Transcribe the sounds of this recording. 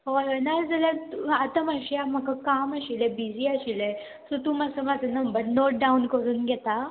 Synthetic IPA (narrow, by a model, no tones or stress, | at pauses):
oɦenad͡zəlat̪uat̪amaɕiam̤əkakaməɕilebid͡ziaɕile | sut̪umasəmad͡zənəmbəɾnoʈ̚ɖaunkəɾuːnɡʱɛt̪a